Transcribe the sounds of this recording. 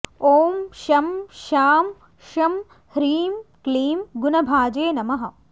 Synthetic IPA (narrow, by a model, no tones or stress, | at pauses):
oːmʃɐmʃaːm | ʃɐm | hɾiːmkliːmɡunɐbʱaːd͡ʒeːnɐmɐɦɐ